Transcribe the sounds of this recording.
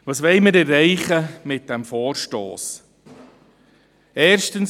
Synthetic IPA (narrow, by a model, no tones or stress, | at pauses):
ʋɑːsʋɛɪməɾɛɾːɛɪχəmɪt̚d̥ɛmfɔːɾʃto̰ːs | ɛːɾʃtəns